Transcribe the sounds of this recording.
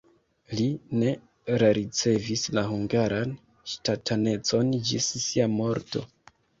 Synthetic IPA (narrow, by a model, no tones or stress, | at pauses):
line̞ | ɾaɾit͡se̞vislaɦuŋɡaɾan | ʃtatʰane̞t͡so̞nd͡ʒisːiamo̞ɾto̞̰